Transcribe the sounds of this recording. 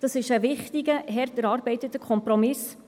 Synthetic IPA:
d̥ɑsɪʃəʋɪχt̪iɡəɦɛɾt̪əɾɑːɾbɛɪtətəkʰχɔmpɾɔmɪs

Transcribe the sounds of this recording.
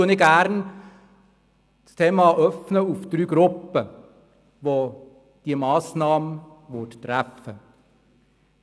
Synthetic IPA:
ʉənɪɡæɾn | st̪ʰeːmɑʔœfnəufd̪̥ɾyːɡɾʊpːə | ʋo | d̥iəmɑːsnɑːmə | ʋʊttɾæfə

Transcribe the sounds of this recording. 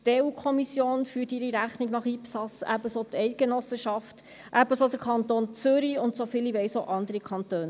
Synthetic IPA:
teːuːkʰɔmisjoːnfyːtiɾiɾæχniɡnɑχiːpsɑsæ̰bəsot̪ɛɪt̚ɡ̥enɔsəʃɑft | ʔæbəsod̥̪əɾkʰɑnt̪oːnt͡sʏɾiʊnt̪sofiːliʋɛɪsoʔɑnd̪əɾikʰɑnt̪øːn

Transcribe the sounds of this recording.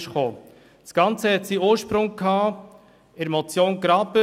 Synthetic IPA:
ʃχoː | sɡ̥ɑnt͡səhɛtsioːɾʃpɾʊŋkʰːɑː | ɪɾmɔt͡sjoːnkɾɑpə

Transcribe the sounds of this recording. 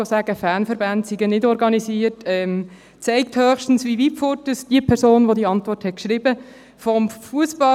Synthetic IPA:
osæːɡ̥əfæːnfəɾbæntsiɡənɪdɔɾɡɑnisiːərtɛm | t͡sɛɪk̚thøːxʃtn̩sʋiʋipfʊɾtəsd̥iəpʰɛɾsoːnʋodiəɑntʋɔɾthɛt̚kʃɾɪbə | fɔmfuəsb̥ɑ

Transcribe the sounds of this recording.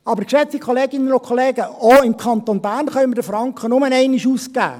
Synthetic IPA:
ɑbəɾkʃɛt͡sikʰoleːɡɪnənʊkʰoleːɡəoɪmkʰɑnt̪onbæɾnχœmədəfrɑŋkχənʊmənɛɪnɪʃuːskæ̰ː

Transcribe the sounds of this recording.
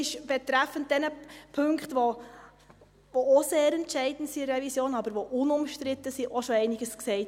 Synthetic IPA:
ɪʃb̥ɛt̪ɾæfənt̚d̥ɛnəpʰɵŋkχtʋo | vooseːɾɛntʃɛɪdən̩tsirɛvisjoːnɑbəɾʋoʔʊnʊmʃtɾɪt̪ːəsiʔɔʃoɛɪnɪɡəsksɛɪt

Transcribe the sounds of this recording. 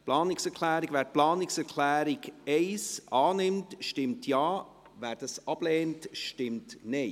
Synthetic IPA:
plɑːnɪksɛɾkʰlæːɾiɡʋæːɾplɑːnɪksɛɾkʰlæːɾɪɡɛɪsʔɑːnɪmtʃtɪmtʰjɑː | væːɾd̥ɑsɑb̥lɛːntʃtɪmtnɛɪ

